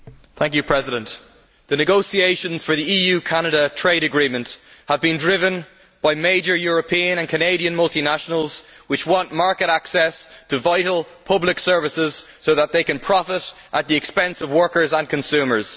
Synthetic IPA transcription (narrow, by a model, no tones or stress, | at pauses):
θæ̃ŋkjɨpʰɹ̥ɛzɪɾə̃nʔ | ðənɨɡoʊsieɪʃə̃nz̥fə˞ðiiːjʉːkʰañəɾətʰɹ̥eɪɾəɡɹĩmə̃nthəvbĩndɹɪvə̃n | b̥aɪmeɪd͡ʒə˞jʊːɹəpʰĩə̃nə̃nkʰəneɪɾiə̃nmʌlˠtinaʃənəlˠz̥wɪt͡ʃwɑ̃nʔmaɹkəɾaksɛstʰəvaɪɾl̩ˠ | pʰʌblɪksɜ˞vɪsɪz̥soʊðət̪̚ðeɪkə̃npʰɹ̥ɑfɪɾ | ʔət̪̚ðiɨkspɛ̃nsəvwɜ˞kə˞zə̃nkʰə̃nsʉ̃ːmə˞z̥